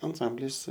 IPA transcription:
ɐnˈsɐmʲbʲlʲɪs

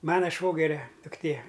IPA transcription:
ˈmɑːnɐ ˈʃʋoːɡʲɛrʲɛ dʊkˈtʲeː

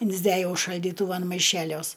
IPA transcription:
ɪnʲzʲˈdʲæjɛʊ ʃɐlʲdʲiːˈtʊʋɐn mɐˈɪʃʲɛlʲuɔs

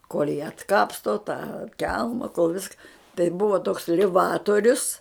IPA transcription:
koːlʲ jiː ɐtˈkɑːpstoː tɑː ˈkʲɛlˠmɐ koːlˠ ˈʋʲɪskɐ tɐɪ ˈbʊʋɐ toːks lʲɪˈʋɑːtoːrʲʊs

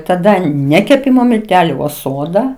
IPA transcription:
tɐˈdɐ ˈnʲɛ kʲɛˈpʲɪmoː mʲɪlʲˈtʲæːlʲʊ oː ˈsoːdɐ

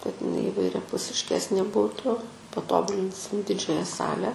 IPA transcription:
kɐt ɪˈnɐɪ iːʋɐɪrʲɛpʊsʲɪʃʲˈkʲæːsʲnʲeː ˈbuːtʊ pɐˈtoːbʊlʲɪnʲsʲɪm ˈdʲɪd͡ʒʲɛjɛ ˈsɑːlʲɛ

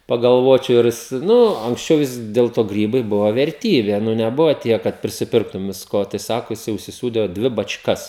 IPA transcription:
pɐɡɐlˠˈʋoːt͡ʃʲɛʊ ˈɪrʲˈjɪs ˈnʊ ɐŋksʲˈt͡ʃʲɛʊ ˈʋʲɪs dʲɛlˠ ˈtoː ˈɡrʲiːbɐɪ ˈbʊʋoː ʋʲɛrʲˈtʲiːbʲeː ˈnʊ nʲɛˈbʊʋoː ˈtʲiɛk kɐt pʲrʲɪsʲɪˈpʲɪrktʊm ʋʲɪsˈkoː tɐɪ ˈsɑːkoː jɪˈsɐɪ ʊʃʲsʲɪˈsuːdʲeː ˈdʲʋʲɪ bɐt͡ʃˈkɐs

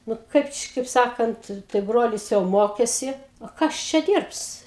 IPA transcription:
ˈnʊ ˈkɐɪp t͡ʃʲɪ kɐɪp ˈsɑːkɐnt tɐɪ ˈbroːlʲɪs jɛʊ ˈmoːkʲɛsʲɪ oː ˈkɐs ˈt͡ʃʲɛ ˈdʲiːrps

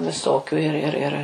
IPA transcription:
ʋʲɪˈsoːkʲʊ ɪr ɪr ˈɪr

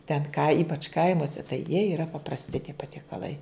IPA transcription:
tʲɛn kɐ ˈiːpɐt͡ʃ ˈkɐɪmuɔsʲɛ tɐɪ jiɛ iːˈrɐ pɐprɐsʲˈtʲɪ tʲiɛ pɐtʲiɛkɐˈlˠɐɪ

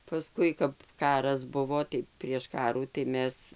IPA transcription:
pɐˈskʊɪ kɐp ˈkɑːrɐs ˈbʊʋoː tɐɪ pʲrʲiɛʃ ˈkɑːruː tɐɪ ˈmʲɛs

